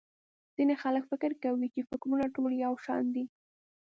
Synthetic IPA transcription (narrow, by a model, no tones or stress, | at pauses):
z̥inexaləkfɪkɪɾkawit͡ʃefɪkɾunaʈoljawʃɑ̰nd̪i